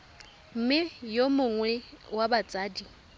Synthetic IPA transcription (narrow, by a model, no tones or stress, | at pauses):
m̩mɪjomʊŋwɛwabat͡sʼaːdi